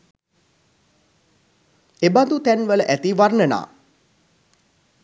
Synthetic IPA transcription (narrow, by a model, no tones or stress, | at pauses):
eband̪ut̪ænʋələʔæt̪iʋarnəna̰ː